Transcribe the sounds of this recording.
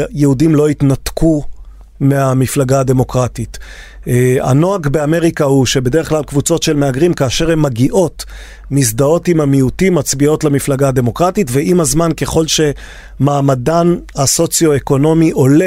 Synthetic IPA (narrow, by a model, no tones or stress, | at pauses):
jehudimlo̞itnatku | meamiflaɡade̞mo̞kʁatitː | a̰no̞aɡbe̞ame̞ʁikahuʃe̞be̞deʁeχklalkvut͡so̞tʃe̞lmeaɡʁimkaːʃe̞ʁhe̞mːaɡiʔo̞t | misdao̞timamiutimːat͡sbio̞tlamiflaɡaːde̞mo̞kʁatitveimazmanke̞χo̞lʃe̞ | maːmadanhaso̞t͡sjo̞eko̞no̞miʔo̞le